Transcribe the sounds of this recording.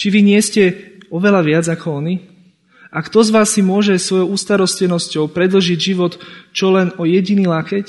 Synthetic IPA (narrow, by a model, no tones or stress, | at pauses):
t͡ʃiʋiɲɪɛscɛɔʋɛlaʋɪad͡zakɔɔni | akt̪ɔzʋaːsːimʊɔʒɛsʋɔjɔʊuːst̪aɾɔscɛnɔscɔʊpɾɛd̪l̩ʒiɟʒiʋɔt̪t͡ʃɔlɛnɔjɛɟiniːlaxɛc